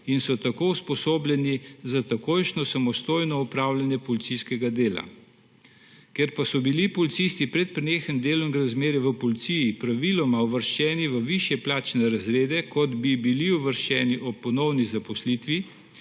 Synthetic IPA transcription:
insɔt̪akouspɔsoːblʲjɛnizat̪akoːjʃnɔsamɔst̪oːjnɔupɾaːwlʲjanjɛpɔlit̪siskɛɡad̪eːla̰ | keɾpasɔbilipɔlit̪sist̪ipɾɛt̪̚pɾɛneːxənd̪eːlɔŋɡɾazmeːɾɛʋəpɔlit̪sijːpɾaʋilɔmauʋəɾʃt͡ʃɛːniʋəʋiʃjɛplaːt͡ʃnɛɾazɾeːd̪ɛkɔd̪bibiliuʋəɾʃt͡ʃɛːniʔɔpɔnɔwnizapɔslit̪ʋi

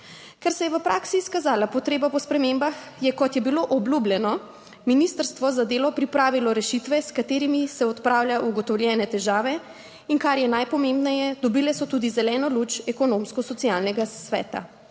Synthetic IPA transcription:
kɛɾsɛjɛʋəpɾaːksiskazaːlapɔt̪ɾeːbapɔspɾɛmembax | jɛkɔt̪jɛbiloʔɔblublʲjɛnɔ | minist̪əɾst̪ʋɔzad̪eːlɔpɾipɾaːʋilɔɾɛʃit̪ʋɛskat̪eːɾimisɛɔt̪pɾaːwlʲjauɡɔt̪ɔwlʲjɛːnɛt̪ɛʒaːʋɛ | iŋkaɾjɛnajpɔmẽmbnɛjɛd̪ɔbiːlɛsɔt̪ud̪izɛlɛːnɔlut͡ʃɛkɔnomskɔsɔt̪sialnɛɡasʋɛ̰ːt̪a̰

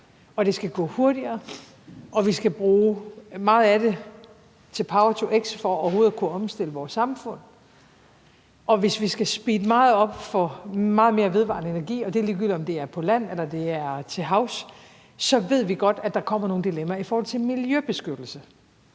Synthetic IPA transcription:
ɒ̽d̥e̝sɡ̥æɡ̥ɔ̰̽ːho̝ɐd̥iɐː | ʔɒ̽ʋisɡ̥æb̥ʁuːmɑ̈ːð̞̩ˠæde̝ | t͡sʰe̝lpʰɑ̈ʊɐt͡sʰoʔeɡ̥sfɒɒːɐho̝ːð̩ˠkʰuɒ̽msd̥e̝l̰əʋɒːsːɑ̈mfɔ̽n̰ | ʔɒ̽ʋe̝sʋisɡ̥æsb̥iːd̥əmɑ̈ːð̞̩ˠɒ̽b̥fɒ̽mɑ̈ːð̞̩ˠme̝ːɐʋe̝ð̞ˠʋɑ̰̈nəe̝næɐɡ̥ḭːɒ̽d̥e̝liɡ̥ylɒ̽md̥e̝æɐpʰɒ̽læn̰elɐd̥e̝æɐt͡sʰe̝ɦɑ̈ʊs | sɒ̽ʋe̝ð̰ˠʋiɡ̥ɒ̽d̥æd̥ɑ̈kʰɒ̽m̰ɐno̝ːn̩d̥ilemæifɒːhɒ̽l̰t͡sʰe̝miljøb̥e̝sɡ̥ød̥l̩sə

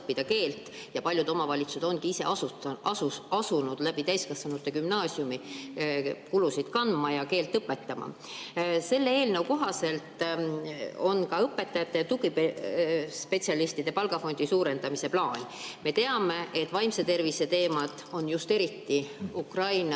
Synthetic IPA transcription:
pːid̪̥ɑke̞ːlt̪ˑ | jɑpɑlʲjud̪o̞mɑvɑlʲit̪sused̪̥o̞nɡkiise̞̰ʔɑuuɑsunud̪̥læb̥it̪æjskɑsːɑnut̪ːˑekymnɑːsjumi | kulusid̪̥kɑnmɑjɑke̞ːlt̪ːˑɤpːˑe̞t̪ːɑmɑ̰ | se̞lːeeːlnewko̞ɦɑse̞lt̪ | o̞nkɑɤpːˑe̞t̪ːˑɑjɑt̪ːˑe̞t̪uɡ̥ipespe̞t̪siɑlist̪id̪̥e̞pɑlɡ̥ɑfo̞nʲd̪̥isuːɾe̞nd̪̥ɑmise̞plɑːnʲme̞t̪e̞ɑme̞ʔe̞t̪ːˑvɑjmset̪e̞rvise̞t̪e̞ːmɑd̪̥o̞njust̪e̞ɾit̪ːiukrɑjn

